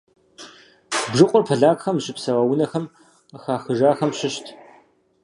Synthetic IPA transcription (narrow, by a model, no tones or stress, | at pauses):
bʒɨqʷʼʊrpʰɐɮaːkʼxɐmʒɪpsɐwɐwʊnɐxɐm | xaːxɨʒaːxɐmɕɪɕtʰ